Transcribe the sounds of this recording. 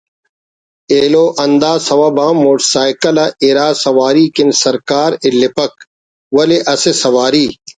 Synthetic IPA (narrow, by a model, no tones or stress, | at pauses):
eːloːʔɐnd̪aːsɐwɐbãːmːoːʈsaːjkɐlɐʔiɾaːsɐwaːɾiːkinsɐɾkaːɾɪlːɪpɐk̚ | wɐleʔɐsesɐwaːɾiː